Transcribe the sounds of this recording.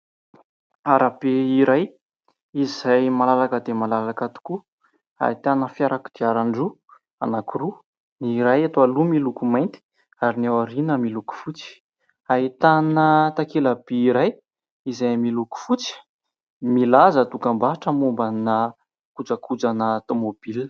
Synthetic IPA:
aɾab̥eiɾaj | izajmalalakəd̪emalalakat̪u̥ku | a̰it̪anəfjaɾaku̥d̪̥iaɾaɳɖ͡ʐu | a̰nakuɾu | niɾajat̪oalumilukumajnt̪i̥ | aɾinewaɾinəmiluku̥fut͡si̥ | ait̪anət̪akelab̥eiɾaj | izajmiluku̥fut͡si̥ | milazət̪ukambaaʈ͡ʂəmumbana | kud͡zəkʰud͡zanət̪omob̥il

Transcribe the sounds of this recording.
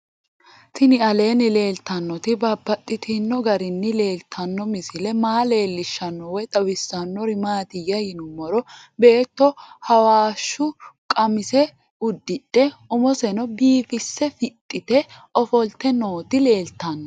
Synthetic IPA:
t̪ɪnɪɐle̞ːnɪle̞ːlt̪ːɐnːɔt̪ɪbɐbːɐt̪ʼːɪt̪ʰɪnːɔɡɐɾɪnːɪle̞ːlt̪ʰːɐnːɔmɪsɪlɛmaːle̞ːlːɪʃːɐnːɔwɔjt̪ʼɐwɪsːɐnːɔɾɪmaːt̪ɪjːɐjɪnʊmːɔɾɔbe̞ːt̪ːɔhɐwaːʃːʊkʼɐmɪsɛ | ʊd̪ːɪᶑɛʊmɔsɛnɔbiːfɪsːɛfɪt̪ʼːɪt̪ɛʔɔfɔlt̪ːɛno̞ːt̪ɪle̞ːlt̪ːɐnːɔ

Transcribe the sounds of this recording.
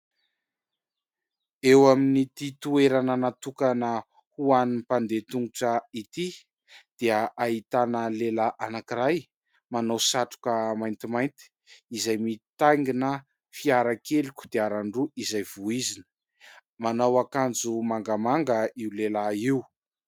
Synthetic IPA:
ewaminit̪it̪ueɾananat̪ukanə | huanipand̪et̪uŋɡuʈ͡ʂəit̪i | d̪̥eəʔaɦit̪anəlelaʔanakiɾaj | manawsaʈ͡ʂu̥kəmajnt̪imajnt̪i̥ | izajmit̪ajŋɡinə | fiaɾakelikʲu̥d̪eaɾaɳɖ͡ʐuʔizajv̥uizinə̥ | manawakand͡zumaŋɡamaŋɡəiwlelaiw

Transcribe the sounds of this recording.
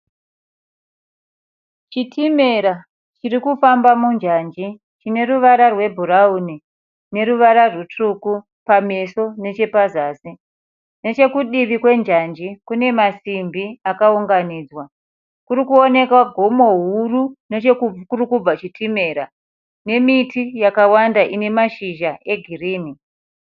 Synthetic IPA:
t͡ʃitʰime̞ɾa | t͡ʃirikufambamund͡ʒand͡ʒi | t͡ʃine̞ruʋaɾarwe̞bʱurauni | ne̞ɾuʋaɾarwutuku | pameso̞ne̞t͡ʃe̞pazaːsi | ne̞t͡ʃe̞kuɗiʋikwe̞nd͡ʒand͡ʒikune̞masimbiakauŋɡaniːd͡zwa | kuɾikuo̞ne̞kwaɡʱo̞mo̞ɦurune̞t͡ʃekkurikub͡vat͡ʃitime̞ːɾa | ne̞mitijakawandaʔine̞maʃiʒaʔe̞ɡʱiriːmi

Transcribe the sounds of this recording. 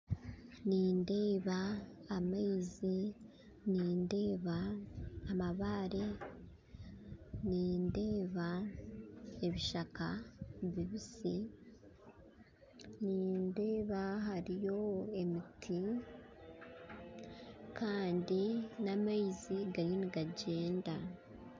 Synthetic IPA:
niːnde̞ːβaː | maizi | niːnde̞ːβaː | maβaːɾe | niːnde̞ːβa | e̞βiʃakaβiβisi | niːnde̞ːβaɦaɾijo̞e̞mitʰi | kaːndinamaiziɡaɾiniɡaɟe̞ːnda

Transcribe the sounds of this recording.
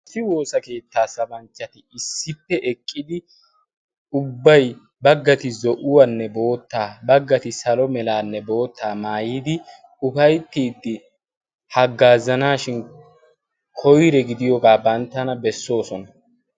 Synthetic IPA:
ɐsːɪwo̞ːsɐke̞ːt̪ːaːsɐbɐnt͡ʃːɐt̪ɪɪsːɪpːɛʔɛkʼːɪd̪ɪ | ʊbːɐj | bɐɡːɐt̪ɪzɔʔʊwɐnːɛbo̞ːt̪ːaːbɐɡːɐt̪ɪsɐlɔmɛlaːnːɛbo̞ːt̪ːaːmaːjiːd̪ɪ | ʊfɐjt̪ːiːd̪ːɪ | hɐɡːaːzɐnaːʃɪn | kʰɔjɾɛɡɪd̪ɪjɔɡaːbɐnt̪ːɐnɐbɛsːo̞ːsɔnɐ

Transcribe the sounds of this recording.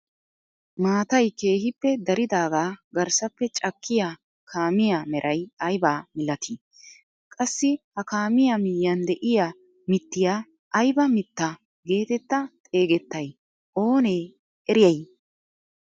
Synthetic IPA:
maːt̪ɐjke̞ːhɪpːɛd̪ɐɾɪd̪aːɡaːɡɐɾsɐpːɛt͡ʃʼɐkʰːɪjaː | kʰaːmɪjaːmɛɾʔɐjɐjbaːmɪlːɐt̪ʰi | kʼɐsːɪhɐkaːmɪjamɪjːɐnd̪ɛʔɪja | mɪt̪ːɪjaː | ʔɐjbɐmɪt̪ːɐ | ɡe̞ːt̪ɛt̪ːɐt̪ʼe̞ːɡɛt̪ːɐj | ʔo̞ːneː | ʔɛɾɪjɐj

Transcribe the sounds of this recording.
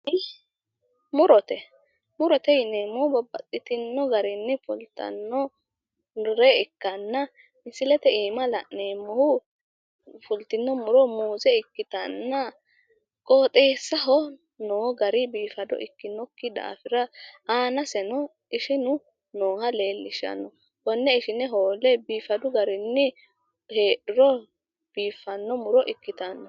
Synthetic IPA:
mʊɾɔt̪ɛ | mʊɾɔt̪ɛɪneːmːɔhʊbɐbːɐ̰t̪ʼːɪt̪ɪnːɔɡɐɾɪnːɛfʊlt̪ːɐ̰nːɔ | ɾɛɪkːɐnːɐ | mɪsɪlɛt̪ɛiːmɐlɐ̰neːmːɔhʊ | fʊlt̪ɪnːɔmʊɾɔmuːzɛɪkːɪt̪ɐnːɐ | kʼoːt̪ʼeːsːɐɦɔ | noːɡɐɾɪbiːfɐd̪ɔ̰ʔɪkːɪnːɔkːɪd̪a̰ːfɪɾɐaːnɐsɛnɔ | ɪʃɪnʊ | noːhɐle̞ːlːɪʃɐ̰nːɔ | bɔnːɛɪʃɪnːɛɦoːlɛbiːfɐd̪ʊɡɐɾɪnːɪ | heːʔɪɾɔ | b̥iːfːɐnːɔmʊɾɔʔɪkːɪt̪ɐnːɔ

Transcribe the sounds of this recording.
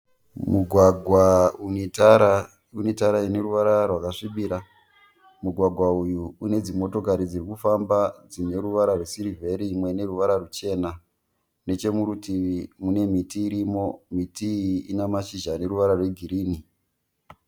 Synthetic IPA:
muɡʱwaɡʱwaunetaɾa | unetaɾaine̞ruʋaɾarwakaʂiɓiɾa | muɡʱwaɡʱwaujuːne̞d͡zimo̞to̞kaɾid͡zirikufambad͡zine̞ɾuʋaɾarwesiɾivʱe̞ɾimwe̞ne̞ruʋaɾarut͡ʃe̞na | ne̞t͡ʃe̞muɾutiʋimune̞mitiːɾimo̞mitiḭnamaʃiʒane̞ɾuʋaɾarwe̞ɡʱiɾiːni

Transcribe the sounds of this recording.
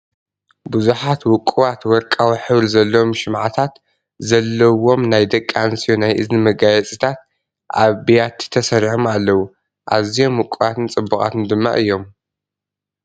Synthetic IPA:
buzuħat̪wʊkʼuβat̪wɔɾkʼawiħɨβɾzɐlːɐwomʃɨmʕat̪ʰat̪ | zɐlːɐwo̞mnajd̪ɐkʼːansijonajʔɨznɨmɐɡajɛt͡sʼit̪ʰat̪̚ | ʔaβbijat̪ʰːi̥t̪ʰɐsɐɾiħomalːɐwu | ʔazijo̞mwʊkʼːuwat̪ɨnt͡sʼɨbːukʼa̰t̪ʰɨnd̪ɨmːa̰ʔɨjːo̞m

